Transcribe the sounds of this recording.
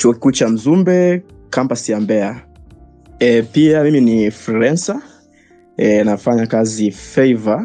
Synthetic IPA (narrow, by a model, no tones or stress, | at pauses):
t͡ʃuɔki̥kuːt͡ʃam̩zumbɛkambasiambɛa | ɛpiamiminifɾɛnsa | ɛnafaɲakazifɛiva